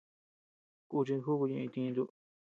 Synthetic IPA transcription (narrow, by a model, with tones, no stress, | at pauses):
ku˧t͡ʃi˧xu˦ku˧ɲĩ˧ĩ˧t̪ĩ˧nd̪u˧